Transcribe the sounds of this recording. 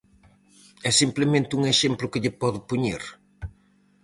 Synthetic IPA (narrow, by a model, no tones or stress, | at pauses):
ɛsimplemẽnt̪ɪuŋeʃemplʊkɪʎɪpɔðʊpuɲiɾ